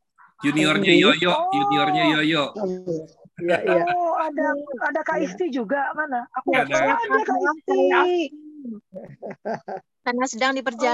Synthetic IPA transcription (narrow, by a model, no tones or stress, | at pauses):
juniɔrɲajɔjɔʔjuniɔrɲajɔjɔʔ | adaadakaʔist̪id͡ʒuɡamanaakuadaaakaist̪i | tanasədaŋdipərd͡ʒa